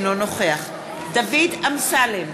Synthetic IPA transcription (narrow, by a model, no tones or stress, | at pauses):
nonoχeaχ | d̪avidamsalem